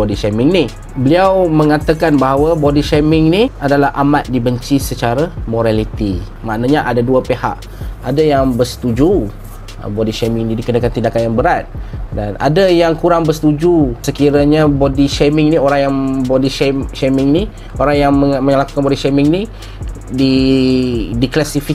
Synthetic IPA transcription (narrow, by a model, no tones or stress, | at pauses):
odiʃɛmɪŋni | bəliawməŋat̪akanbaɦawabodiʃamɪŋniadalahʔamat̪̚dibəɲt͡ʃisət͡ʃaɾamoɾalit̪ḭ | ma̰ʔnaɲaʔadaduapeha̰ʔ | adajaŋbərsə̥t̪ud͡ʒṵ | bodiʃɛmɪŋnidikənakant̪indakanjaŋbəɾat̪̚dana̰dajaŋkuɾaŋbəsə̥t̪ud͡ʒusəkiɾaɲabodiʃemɪŋnioɾaŋjaŋbodiʃʃemɪŋni | oɾaŋjaŋməməlaku̥kanbodiʃɛmɪŋni | di | diklasifi